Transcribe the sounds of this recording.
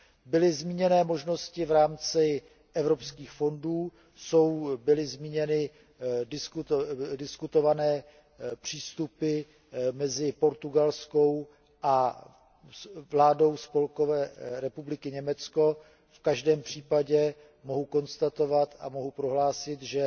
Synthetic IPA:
bɪlɪzmiːɲɛnɛːmo̞ʒno̞scɪvɾaːmt͡sɪ | ʔɛvɾo̞pskiːxfo̞nduː | so̞wbɪlɪzmiːɲɛnɪ | dɪskudɪskut̪o̞vanɛː | pr̝̥iːst̪upɪ | mɛzɪpo̞ɾt̪uɡalsko̞w | ʔa | vlaːdo̞wspo̞lko̞vɛːɾɛpublɪkɪɲɛmɛt͡sko̞ | fkaʒdɛːmpr̝̥iːpaɟɛ | mo̞ɦuko̞nst̪at̪o̞vat̪amo̞ɦupɾo̞ɦlaːsɪt̪ʒɛ

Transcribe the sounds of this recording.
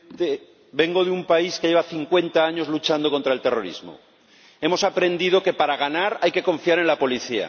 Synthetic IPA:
t̪e | be̞ŋɡo̞ðeumpaiske̞ʝe̞βaθiŋkwe̞nt̪aaɲo̞zlut͡ʃand̪o̞ko̞nt̪ɾaelt̪e̞ro̞ɾḭzmo̰ | e̞mo̞sapɾe̞nd̪ið̞o̞ke̞paɾaɣ̞anaɾajke̞ko̞ɱfiaɾe̞nlapo̞liθia̰

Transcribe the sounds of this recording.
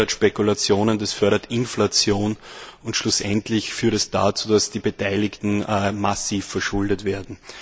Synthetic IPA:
ɐtʃpɛkʊlat͡sjoːnəndasfœɐɾɐtɪnflat͡sjoːnʊntʃlʊsʔɛntlɪçfyːɐtɛsd̥at͡suːdasd̥iːbetʰaɪlɪktn̩masiːfːɛɐʃʊldətv̥eːɐdn̩

